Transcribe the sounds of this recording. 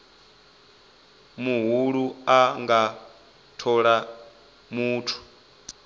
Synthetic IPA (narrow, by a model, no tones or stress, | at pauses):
muɦuɺuaŋɡa | tʰɔɺa | muːtʰu̥